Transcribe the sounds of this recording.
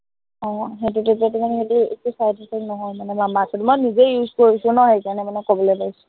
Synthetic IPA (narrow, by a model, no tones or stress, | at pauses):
ɔ̃ɦet̬ut̬utatumanɛɦetuḛtusajtɔtɛnɔɦɔjmanɛmamatʰɔtumɔjnizejuzkoɹisʊ̃nɔɦɛjkaɹnɛmanɛkobɔlɔjpaisʊ